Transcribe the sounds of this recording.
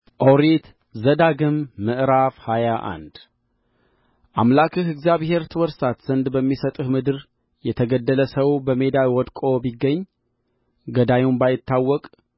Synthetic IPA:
ʔoɾit̪ | zəd̪aɡɨmːɨʔɾafhajaʔa̰nd̪ | ʔamlakʰɨɦɨɡzjaβhe̞ɾt̪ʰɨwɔɾsat̪z̥ənd̪bəmːisət̪ʼɨhmɨd̪ɨɾ | jɛt̪ʰəɡəd̪ːələsəwbəme̞d̪alwɔd̪kʼo̞biɡːəɲː | ɡəd̪ajumbajɪt̪ːawːɔkʼ

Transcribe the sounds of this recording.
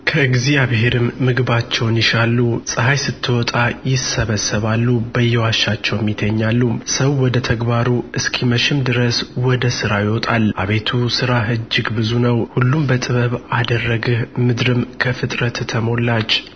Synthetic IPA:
kʰəɡzijaβheɾɨmːɨɡβat͡ʃːɛwnjɪʃalːusʼɨɦajsɨt̪ʰːɨwɔt̪ʼajɪsəβəsːəβalːubəjːɛwaʃːat͡ʃːɛwmːit̪ʰəɲːalːusəwːɔd̪ət̪ʰəɡbaɾuɨskʰiməʃɪmd̪ɨɾəswɔd̪əsɨɾajɪwɔt̪ʼalʔa̰βe̞t̪ʰusɨɾaɦɨd͡ʒːɪɡbɨzunəwhulːumbət̪ʼɨβəβad̪ərːəɡɨhmɨd̪ɾɨmkʰəfɨt̪ʼɾət̪ːʰəmo̞lːat͡ʃː

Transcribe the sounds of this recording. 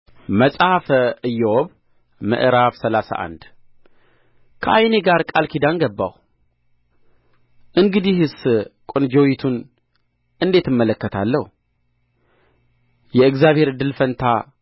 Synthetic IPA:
məsʼafʔɨjːɛwoβ | mɨ̰ʔɾaβsəlasa̰ʔa̰nd̪ | kʰəʔajneɡaɾkʼalkʰid̪anɡəbːa̰w | ʔɨŋɡɨd̪ihɨskʷʼond͡ʒowit̪ʰun | ɨnd̪e̞t̪ɨmːələkːət̪ʰalːəhu | jɛɨkzjaβhe̞ɾɨd̪ːɨlfənt̪ʰa

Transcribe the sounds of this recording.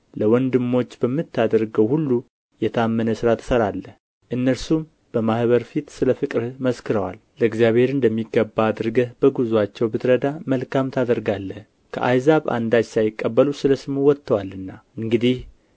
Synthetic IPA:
ləwɔnd̪ɨmːo̞t͡ʃːbəmːɨt̪ʰːad̪əɾɡəwhulːu | jɛt̪ʰamːənəsɨɾat̪ʰɨ̥səɾalːəh | ʔɨnːəɾsum | b̥əmahβəɾfit̪sɨləfɨkʼɾməskɨɾəwa̰lləɨɡzjaβhe̞ɾɨnd̪əmːiɡːəbːaːd̪ɨɾɡəhbəɡuzuat͡ʃːɛwbɨt̪ʰɾəd̪aməlkʰamt̪ʰad̪əɾɡalːəh | kʰə̰ʔa̰jzaβa̰nd̪at͡ʃsajɪkʼːəbːəlusɨləsɨmuwɔt̪ʰːəwalɨnːaʔɨŋɡɨd̪ih

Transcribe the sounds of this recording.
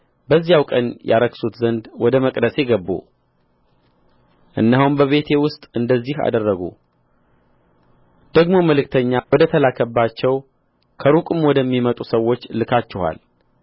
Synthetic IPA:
bəzːijawkʼənja̰ɾəksut̪zənd̪wɔd̪əməkʼd̪əse̞ɡəbːṵ | ʔɨnːaɦumbəβe̞t̪ʰe̞wʊst̪ʼɨnd̪əzːiha̰d̪ərːəɡṵ | d̪̥əɡmo̞məlɨkt̪ʰəɲːawɔd̪ət̪ʰəlakʰəbːat͡ʃːɛw | kʰəɾukʼumwɔd̪əmːimət̪ʼusəwːo̞t͡ʃːlɨkʰat͡ʃːɛha̰l

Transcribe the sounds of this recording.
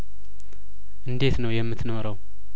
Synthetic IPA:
ʔɨnd̪e̞t̪nəwjɛmːɨt̪noɾəw

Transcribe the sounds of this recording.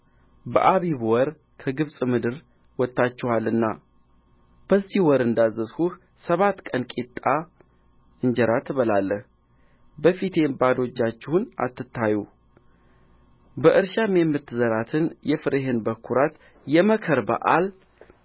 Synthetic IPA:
bə̰ʔaβiβwɔɾ | kʰəɡɨβsʼmɨd̪ɨɾ | wɔt̪ːat͡ʃːɛhalɨnːa̰ | b̥əzːihwɔɾɨnd̪azːəshuh | səβat̪ːkʼənkʼet̪ʼːa | ɨɲd͡ʒɛɾat̪ʰɨβəlalːəh | bəfit̪ʰe̞bad̪o̞t͡ʃːat͡ʃːɪhuna̰t̪ːɨt̪ʰːaju | bəʔɨɾʃamemːɨt̪ːɨzəɾat̪ʰɨnjɛfɨɾʔeɦenbəkʰːuɾat̪ | jɛməkʰəɾbə̰ʔal

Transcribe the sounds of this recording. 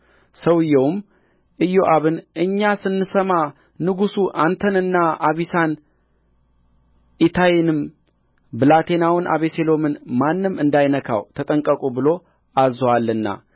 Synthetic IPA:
səwɨjːɛwm | ʔɨjoʔaβɨnʔɨɲːasɨnːɨsəma | nɨɡusuʔant̪ʰənɨnːaʔaβisan | ʔit̪ʰajinɨm | bɨlat̪ʰe̞nawɨnʔa̰βe̞selo̞mɨnmanːɨmɨnd̪ajnəkʰa̰wt̪ʰət̪ʼəŋkʼəkʼubɨlo̞ | azwalːɨnːa̰

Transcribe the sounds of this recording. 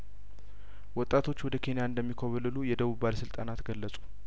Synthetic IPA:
wɔt̪ʼːat̪ʰo̞t͡ʃːwɔd̪əkʰe̞nijaɨnd̪əmːikʰəβəlɨlujɛd̪əβuβalsɨlt̪ʼanat̪ɡəlːəsʼu̥

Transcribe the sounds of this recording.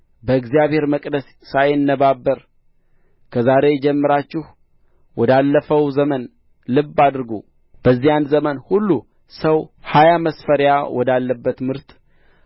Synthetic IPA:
bəɨɡzijaβhe̞ɾməkʼd̪əsːajɪnːəbabːəɾ | kʰəzaɾe̞d͡ʒɛmːɨɾat͡ʃːɪh | wɔd̪alːəfəwzəmən | lɨbːad̪ɾɨɡu | b̥əzːijanzəmənhulːu | səwhajaməsfəɾjawʔɔd̪alːəbːət̪mɨɾt̪

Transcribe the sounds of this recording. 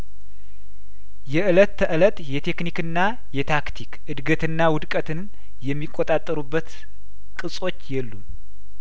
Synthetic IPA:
jɛʔɨlət̪ːəʔɨlət̪ʼjɛt̪ʰe̞knikɨnːa | jɛt̪ʰakt̪ʰikʔɨd̪ɡət̪ɨnːawʊd̪kʼət̪ɨn | jɛmːikʼːot̪ʼat̪ʼːəɾubːət̪ | kʼɨsʼo̞t͡ʃːjɛlːum

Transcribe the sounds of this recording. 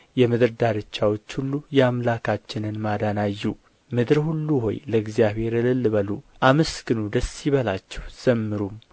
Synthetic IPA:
jɛmɨd̪ɨɾd̪aɾɨt͡ʃːawo̞t͡ʃːhulːujɛamlakʰat͡ʃːɪnɨnmad̪anajːu | mɨd̪ɾhulːuho̞̰jləɨɡzijaβe̞ɾɨlɨlːβəluʔaməskɨnud̪əsːiβəlat͡ʃːɛ̥wz̥əmːɨɾum

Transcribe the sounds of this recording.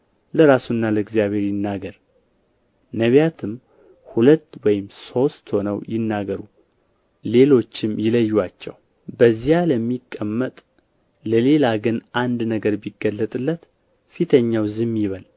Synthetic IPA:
ləɾasunːaləɡzjaβhe̞ɾjɪnːaɡəɾ | nəβjat̪ʰɨm | hulət̪ːwɔjɪmso̞st̪ho̞nəwjɪnːaɡəɾu | le̞lo̞t͡ʃːɪmjɪləjːwat͡ʃːɛ̰w | bəzijaləmːikʼːəmːət̪ʼ | ləle̞laɡɨnʔand̪nəɡəɾbiɡəlːət̪ʼɨlːət̪ | fit̪ʰəɲːawzɨmjɪβəl

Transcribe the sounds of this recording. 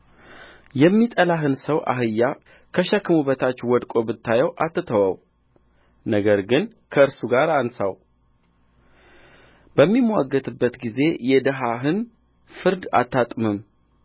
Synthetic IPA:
jɛmːit̪ʼəlaɦɨnsəwʔa̰ɦɨjːa | kʰəʃɛkːɨmuβət̪ʰat͡ʃːwɔd̪kʼo̞bɨt̪ʰːajɛwʔat̪ʰːɨt̪ʰəwaw | nəɡəɾɡɨn | kʰəɨɾsuɡaɾansaw | bəmːimwaɡːət̪ɨbːət̪ɡize̞jɛd̪əɦaɦɨn | fɨɾd̪a̰t̪ːat̪ʼmɨm

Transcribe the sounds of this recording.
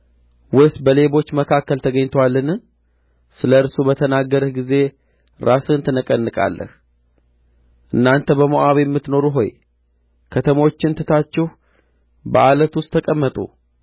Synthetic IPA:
wɨsbəle̞βo̞t͡ʃːməkʰakːəlt̪ʰəɡəɲt̪ʰwalːɨnɨ | sɨləɨɾsubət̪ʰənaɡəɾɨhɡize̞ | ɾʔasɨɨnt̪ʰɨnɨkʼənːɨkʼa̰lːə̰h | ʔɨnːant̪ʰəbəmoʔaβejɛmːɨt̪no̞ɾuɦo̞̰j | kʰət̪ʰəmo̞t͡ʃːɪnt̪ʰɨt̪ʰat͡ʃːɛh | bəʔalət̪wʊst̪ʰːəkʼəmːət̪ʼṵ

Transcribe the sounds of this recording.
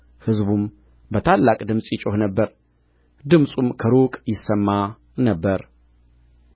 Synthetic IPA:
hɨzbum | bət̪ʰalːakʼd̪ɨmsʼjɪt͡ʃʼohnəbːəɾ | d̪ɨmsʼumkʰəɾokʼjɪsːəmːa | nəbːəɾ

